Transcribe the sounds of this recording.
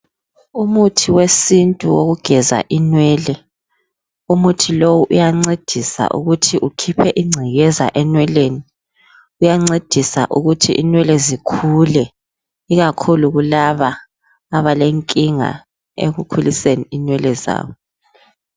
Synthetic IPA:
umutʰiwesintʼuwoɣuɡ̥ʱɛza̰ʔinwɛːlɛ | umutʰilowuʔujaŋ͡ǀed̥ʱisa̰ʔṵɣutʰiʔukʰipʰɛʔiŋ͡ǀʱiɣɛza̰ʔɛnwɛleːni | ujaŋ͡ǀed̥ʱisa̰ʔuɣutʰiʔinwɛlɛzikʰulɛ | iɣakʰuluɣulaβaː | βaleŋkʼiŋa̰ | ḛɣukʰuliseniinwɛlɛza̰ːβɔ

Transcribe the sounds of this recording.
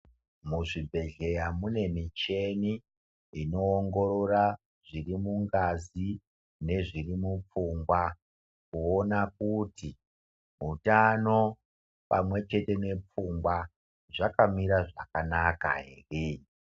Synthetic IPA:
muʐibʱe̞ɮe̞jamune̞mit͡ʃe̞ni | ino̞ːŋɡo̞ɾo̞ra | ʐ̥irimuŋɡazi | ne̞ʐirimup͡fuŋɡwa | kuonakuti | utano̞ | pamwe̞t͡ʃe̞te̞ne̞p͡fuŋɡwa | ʐakamiɾaʐa̰kanaka̰ɦḛːre

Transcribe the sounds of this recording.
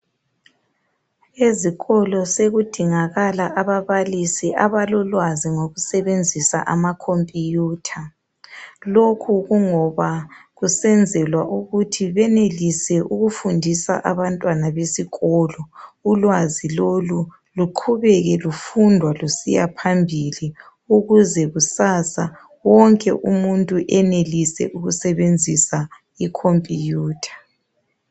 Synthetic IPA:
eziɣɔlɔseɣud̥ʱiŋaɣalaʔaβaβalisiʔaβalɔlwaziŋoɣusɛβend͡zʱisa̰ʔamakʰompʼjuːtʰa | lokʰuɣuŋɔβaɣusɛnd͡zʱɛlwaʔuɣutʰiβɛnelisɛʔuɣufundʱisa̰ʔaβantʼwanaβesiɣɔlɔulwazilolu | luǃʰuβɛɣɛlufundʱwalusḭjapʰambʱili | uɣuzɛɣusaːsa | wɔŋkʼɛ̰ʔumuntʼuʔɛnelisɛ̰ʔuɣusɛβend͡zʱisa | ikʰompʼijuːtʰḁ

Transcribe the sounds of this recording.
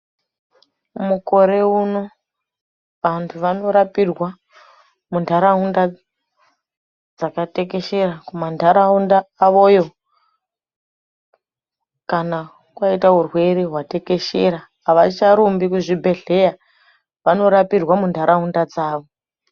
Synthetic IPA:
muko̞ɾe̞uno̞ | ʋantʰuʋano̞ɾapirwa | mundʱaɾaɦunda | d͡zakate̞ke̞ʃe̞ɾakumandʱaɾaundaːʋo̞jo̞ | kana | kwaitaɦurwe̞ɾeɦwate̞ke̞ʃeɾaː | ʋat͡ʃaɾumbikuʐibʱe̞ɮe̞ja | ʋano̞ɾapirwamundʱaɾʔaɦundad͡zaːʋo̞

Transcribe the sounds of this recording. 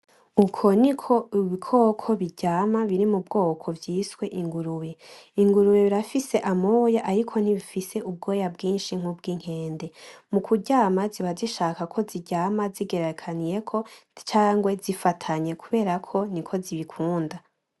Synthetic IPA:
ukʰo̞nikʰo̞iβikʰo̞ːkʰo̞βiɟaːmaβiɾimubɡo̞ːkʰo̞vjiːswe̞ʔiŋɡuɾuje̞iŋɡuɾujeβiɾafise̞ʔamojaʔaɾikʰo̞n̥iβifise̞ub̚ɡo̞ːjabɡiːnʃiŋ̥hub̚ɡiːŋ̥he̞ːnde̞mukuɟaːmaziβaziʃaːkakʰo̞ziɟaːmaziɡe̞ɾekʰanije̞kʰo̞t͡ʃaːŋɡwe̞zifatʰaɲe̞kʰuβe̞ːɾakʰo̞nikʰo̞ziβikʰuːnda

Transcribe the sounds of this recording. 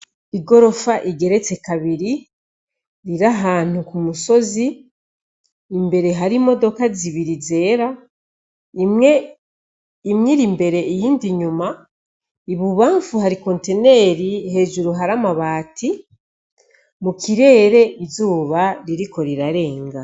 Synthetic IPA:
iɡo̞ɾo̞faʔiɡe̞ɾe̞t͡se̞kaβiɾi | ɾiɾaɦaːn̥hukumuso̞zi | mbe̞ɾe̞ɦaɾimo̞do̞kaziβiɾize̞ːɾa | imŋe | imŋiɾimbe̞ɾe̞ijiːndiɲuma | iβuβaːɱfuhaɾiko̞ːnte̞ne̞ːɾihe̞ːʒuɾuɦaɾamaβaːtʰi | mukiɾe̞ːɾe̞izuːβaɾiɾiko̞ɾiɾaɾe̞ːŋɡa

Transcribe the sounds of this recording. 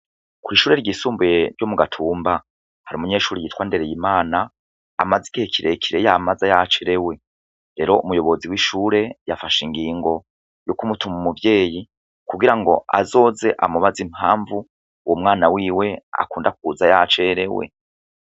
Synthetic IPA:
kuɾiʃuːɾe̞ɾɟiːsuːmbujeɾɟomuɡatʰuːmba | haɾiumuɲe̞ːʃuːɾijiːtwaːnde̞ɾejimaːna̰ː | mazikihekʰiɾe̞kʰiɾe̞jamazajat͡ʃeɾe̞we̞ | ɾe̞ɾo̞umujo̞βo̞ziwiːʃuːɾe̞jafaʃiŋɡiːŋɡo̞ | jukumutumumuvje̞ːji | kuɡiɾaŋɡo̞̰ʔa̰zo̞ːze̞ʔamuβazimhaːɱvu | womŋaːnawiːwe̞a̰kuːndak̚uzajat͡ʃeɾe̞wḛ

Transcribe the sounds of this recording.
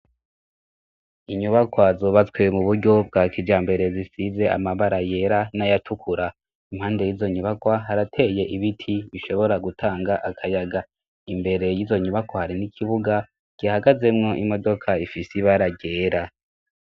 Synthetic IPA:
iɲuβakwazoβat͡swe̞muβuɾɟo̞b̚ɡaːkid͡ʒaːmbe̞ɾe̞zisize̞ʔa̰maβaɾaje̞ɾanajatʰukʰuɾa | imhaːnde̞jizo̞ɲuβakwaɦaɾatʰe̞je̞ʔiβitʰiβiʃo̞βo̞ɾaɡutʰaːŋɡaʔakʰajaɡa | imbe̞ɾe̞jizo̞ɲuβakwahaɾinikʰiβuɡa | ɡ̥iahaɡaze̞mŋo̞ʔimo̞do̞kʰaifisiβaɾaɟe̞ːɾa

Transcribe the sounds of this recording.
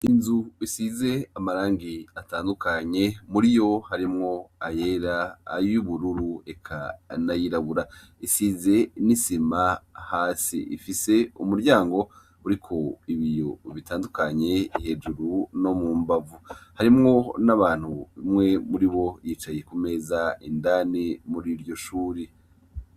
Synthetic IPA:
inzuisize̞amaɾaːŋɡiataːndukaɲe̞muɾijo̞haɾimŋo̞aje̞ɾa̰ːjuiβuɾuɾue̞kʰanajiɾaβuɾa | isize̞nisimahaːsḭḭfise̞umuɾɟaːŋɡo̞ | uɾikʰo̞iβijo̞βitaːndukaɲe̞iɦe̞d͡ʒuɾuno̞muːmbavuhaɾimŋo̞naβaːn̥huβimŋe̞muɾiβo̞jiːt͡ʃaje̞kume̞ːzaindanimuɾiɾjo̞ʃuːɾe

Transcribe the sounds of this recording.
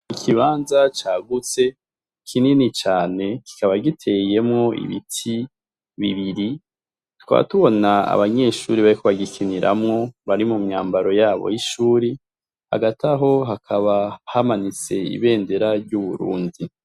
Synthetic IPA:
ikʰiβaːnzat͡ʃaːɡut͡se̞ | kʰininit͡ʃaːne̞kʰi̥kaβaɡitʰe̞je̞mŋo̞ʔḭβḭtʰi | βiβiɾi | tu̥ka̰βa̰tuβo̞naa̰βaɲe̞ʃuːɾiβaɾikoβaɡikʰiniɾa̰mŋo̞βaɾimumɲaːmbaɾo̞jaːβo̰jiʃuːɾi | ha̰ɡataɦo̞ɦakʰaβahamanit͡se̞ḭβe̞ːnde̞ɾaɾɟuβuɾṵːndi

